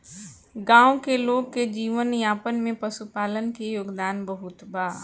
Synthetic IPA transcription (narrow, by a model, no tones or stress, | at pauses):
ɡãːokeloːɡ̚ked͡ʒiːʋənjaːpənmẽpɐsupaːlənkejoːɡd̪aːnbəɦʊt̪baː